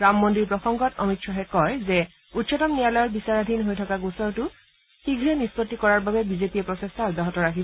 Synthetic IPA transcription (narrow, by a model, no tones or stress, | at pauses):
ɹamːɔndiɹpɹɔxɔŋɡɔtɔmitsɔɦɛkɔɹzɛ | utːsʰɔtɔmnijalɔjɔɹbisaɹadʱinɦojtʰɔkaɡusɔɹtʊ | xiɡʱɹɛnispɔtːikɔɹaɹbabɛbizepiɛpɹɔsestʰadaɦɔtɔɹakʰib